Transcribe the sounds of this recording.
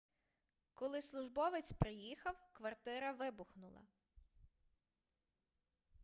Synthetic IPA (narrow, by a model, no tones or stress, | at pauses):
kɔlˠɪslˠʊʒbɔʋet͡sʲpɾɪjixɐwkʋɐrt̪ɪɾɐʋɪbʊxnʊlˠɐ̰